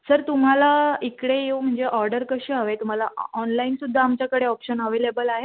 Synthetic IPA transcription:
səɾt̪um̤alaikɽejeum̤əɳd͡zeʔɔɾɖəɾkəɕeaʋet̪um̤alaɔnlainsud̪ʱːaːmt͡ɕjakəɽeɔpɕənəʋelebəlaɦe

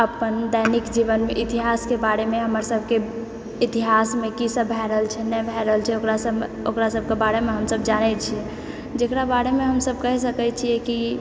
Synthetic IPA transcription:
əpənd̪ɛnikd͡ʒiʋənmeʔit̪iɦaskebaɾemeɦəməɾsəbʱke | it̪iɦasmekisəbːʱɛɾəɦəlt͡ʃʰɛnɛbʱɛɾəɦəlt͡ʃʰɛokɾasəb | okɾasəb̚ʱkebaɾemeɦəmsəbd͡ʒanɛt͡ʃʰiɛ | d͡ʒekɾabaɾemeɦəmsəbʱkəɦsəkɛt͡ʃʰiɛki

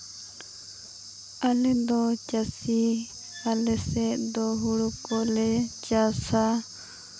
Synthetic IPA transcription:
alɛd̪ɔt͡ʃasi | alɛsɛʔd̪ɔɦuɽukɔlɛt͡ʃasa

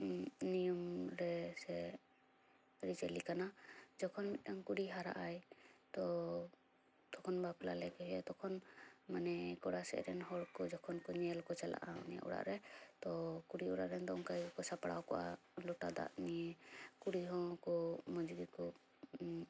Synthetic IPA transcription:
nijɔmɾɛsɛ | ɾit͡ʃɛlikanad͡ʒɔkʰɔnmitaŋkuɽiɦaɾa̰ʔajt̪ɔ | t̪ɔkʰɔnbapla̰lɛkɛɦɛt̪ɔkʰɔnmanɛkɔɽasɛ̰ʔɾɛ̰nɦɔɽkɔd͡ʒɔkʰɔnkɔɲɛlkɔt͡ʃɛla̰ʔanija̰ʔṵɽa̰ʔɾɛt̪ɔkuɽiuɽa̰ʔɾɛnd̪ɔŋkajkɔsapaɽa̰wkɔʔa̰ | lɔʈa̰d̪a̰ʔniɛkuɽiɦɔ̃kɔmɔd͡ʒɡikɔ

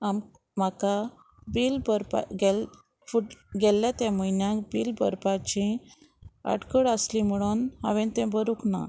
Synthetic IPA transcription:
am | maka | biːlbəɾpa̰ɡɛl | fuʈɡɛlːat̪jãməinjãkbiːlbə̰ɾpat͡ɕĩ | ə̰ɽkəɽəsliməɽ̃unha̰ʋẽnt̪ɛ̃bəɾukna̰

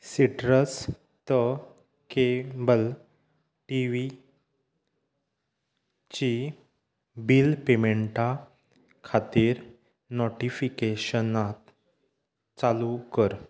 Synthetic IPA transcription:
siʈɾəs | t̪ə | kebəl | ʈiʋi | t͡ɕi | bilpemeɳʈa | kʰat̪iɾ | noʈifikeɕənat̪ | t͡salukəɾ

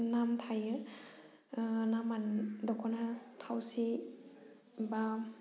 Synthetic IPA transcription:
namtʰajɯ | namandɔkʰɔnatʰawsi | ba

